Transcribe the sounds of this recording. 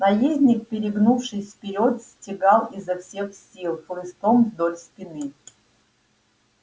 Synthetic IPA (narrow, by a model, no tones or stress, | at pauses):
nɐjezʲnʲɪk̚pʲɪɾʲɪɡnufʂɨsʲfpʲɪɾʲot̪sʲtʲɪɡalˠizːɐfsʲexsʲilˠxlˠɨst̪omvd̪olʲspʲɪnɨ